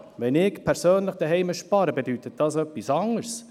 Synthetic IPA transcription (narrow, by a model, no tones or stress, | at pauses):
ʋɛnɪkpʰɛɾsøːnləχd̥̪əɦɛɪməʃpɑɾəbedyt̪ət̚dɑsœpːisɑŋəɾs